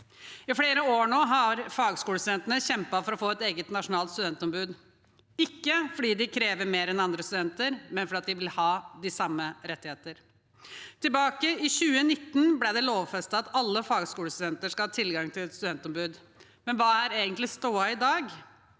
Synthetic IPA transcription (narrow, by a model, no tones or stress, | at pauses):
ɪfɽeːɾəoːɳoːɦɑɾfɑːɡskuːləst̪ʉd̪ɛnt̪ənəɕɛmpɑfɔɾɔfoːɛt̪eːɡət̪nɑʂʊnɑːlt̪st̪ʉd̪ɛnt̪ɔmbʉːd̪ | ɪkːəfɔɖiːd̪ɪkʰɾeːʋəɾmeːɾɛnɑnd̪ɾəst̪ʉd̪ɛnt̪əɾmɛnfɔɾɑt̪̚d̪ɪʋɪlhɑːd̪ɪsɑmːəɾɛt̪ːɪheːt̪əɾ | t̪ʰɪlbɑːkəɪɕʉːənɪt̪ːənblɪɖ̪ɛloːʋfɛst̪əɑt̪ɑlːəfɑːɡskuːləst̪ʉd̪ɛnt̪əʂkɑlhɑːt̪ʰɪlɡɑŋt̪ʰɪlɛt̪st̪ʉd̪ɛnt̪ɔmbʉːd̪ | mɛnʋɑːæɾeːɡənt̪lɪst̪uːɑɪd̪ɑːɡ